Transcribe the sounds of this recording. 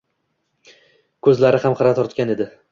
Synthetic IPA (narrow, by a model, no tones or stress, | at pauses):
kʰɵzlaɾɪhamqʰɑɾat̪ʰɒɾt̪kʲane̞d̪ɪ